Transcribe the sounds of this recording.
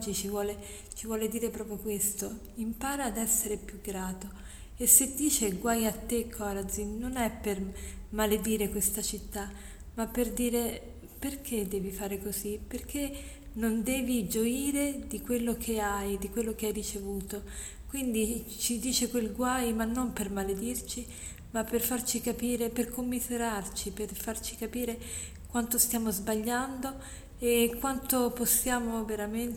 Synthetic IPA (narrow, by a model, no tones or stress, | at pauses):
d͡ʒit͡ʃivwɔːle | t͡ʃivwɔːled̪iːɾepɾɔːpɾjokwest̪o | impaːɾaːd̪ɛsːeɾepjuɡːɾaːt̪o | esːed̪ːiːt͡ʃeɡwajat̪ːekʰːɔɾad̪zinonɛpːermaled̪iːɾekwest̪at͡ʃit̪ːa | mːapːerd̪iːɾe | perkʰed̪ːɛːvifaːɾekoziperk̟e | nond̪ɛːvid͡ʒoiːɾed̪ikwelːokʰeajd̪ikwelːok̟eajrit͡ʃevuːt̪o | kwind̪i | t͡ʃid̪iːt͡ʃekwelɡwajmanːompermaled̪irt͡ʃi | mapːerfart͡ʃikapiːɾeperkʰomːizeɾart͡ʃiperfart͡ʃi̥kapiːɾe | kwant̪ost̪jaːmozbaʎːand̪o | ekwant̪oposːjaːmoveɾamen